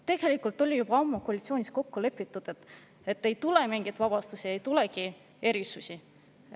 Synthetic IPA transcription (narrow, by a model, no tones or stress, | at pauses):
t̪e̞ɡ̥e̞likːˑult̪ːˑo̞lʲijubɑɑmːukoɑlʲit̪sio̞ːnʲisko̞kːule̞pːˑit̪ːˑud̪̥et̪ | et̪ːe̞jt̪ulemiŋɡ̥it̪vɑb̥ɑst̪usʲiejt̪uleki | e̞ɾisusi